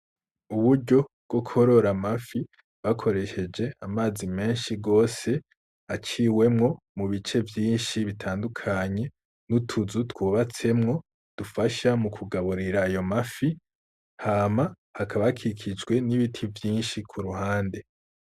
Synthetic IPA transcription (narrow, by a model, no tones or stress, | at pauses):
uβuɾɟo̞b̥ɡ̥o̞kʰo̞ɾo̞ɾamafi | βakʰo̞ɾe̞ʃe̞d͡ʒe̞amaːzime̞ːnʃiɡo̞ːse̞ | at͡ʃiːwe̞mŋo̞ | muβit͡ʃe̞vjiːnʃiβitʰaːndukʰaɲe̞ | nutʰuzutwuːβat͡se̞mŋo̞ | d̥ufaʃamukʰuɡaβuɾiɾaːjo̞mafi | haːma | hakʰaβakʰikʰid͡ʒɡwe̞niβitʰivjiːnʃikʰuɾuhaːnde̞